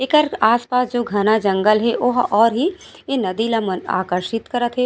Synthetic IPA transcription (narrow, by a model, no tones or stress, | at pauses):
ekəɾaːspaːsd͡ʒoːɡʱɐnad͡ʒɐ̃ŋɡəlɦɛʋoɦɔːɾɦi | enɐd̪ilaməna̰ːkəɾʃɪt̪kɐɾət̪ɦɛ